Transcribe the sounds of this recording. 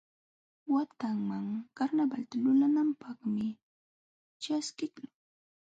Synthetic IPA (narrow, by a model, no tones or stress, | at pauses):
wat̪aŋmaŋkaɾnabalt̪alʊlanampɑχmɪ | t͡ʃaskɪkaŋ